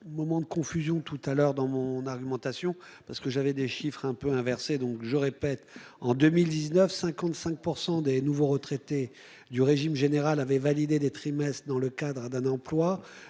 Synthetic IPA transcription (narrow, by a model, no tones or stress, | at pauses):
mɔmɑ̃d̪əkɔ̃fyzjɔ̃t̪ut̪alœʁd̪ɑ̃mɔ̃naʁɡʲymɑ̃t̪asjɔ̃ | paʁsə̥kəʒavɛd̪eʃifχɛ̃pøɛ̃vɛʁsed̪ɔ̃kʒəʁepɛt̪ɑ̃d̪ømild̪iznœfsɛ̃kɑ̃t̪sɛ̃k̚puʁsɑ̃d̪enuvoʁət̪χɛt̪e | d̪yʁeʒimʒeneʁalavɛvalid̪ed̪et̪χimɛst̪χd̪ɑ̃ləkad̪ʁəd̪ɛ̃nɑ̃plwa